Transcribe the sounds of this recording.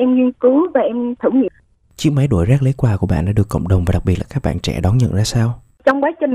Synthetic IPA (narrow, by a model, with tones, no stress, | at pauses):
ʔɛ˧mɲwi˧nkɨ˨˦vaː˨˩ʔɛ˧mt̪ʰɨ˧˩ɲə̰˧˨ | t͡ɕi˦˥ək̚ma˨˦jɗo˧˩jzaː˦˥k̚lə˨˦jkwaː˧ku˧˩əɓa̰ː˧˨nɗa̰ː˧˥ɗɨ˨˩əkːə̰˧˨wŋ͡mɗə˨˩wŋ͡mvaː˨˩˨a˨˩k̚ɓi˨˩t̚laː˨kaː˦˥ɓa̰ː˧˨nt͡ɕɛ̰˧˩ɗɔ˨˦nɲə̰˧˨nzaː˧saː˧w | t͡ɕɔ˧wŋ͡mkwaː˨˦t͡ɕï˨˩ŋ